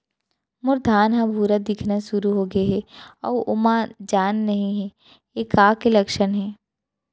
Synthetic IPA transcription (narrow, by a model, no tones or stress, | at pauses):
mʊɾd̪ʱaːnɦãbʱuːɾad̪ɪkʰnaʃʊɾuɦoːɡɐeɦɛɔːʔʊmãd͡ʒaːnːɐɦĩɦɛː | eːkaːkelɐkʃənɦɛː